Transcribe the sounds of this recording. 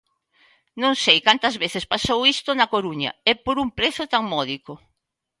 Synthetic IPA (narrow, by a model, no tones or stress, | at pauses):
nõŋsejkant̪ɐzβeθɪspasowist̪ʊnɐkoɾuɲɐ̰ɛpoɾumpɾeθʊt̪aŋmɔðiko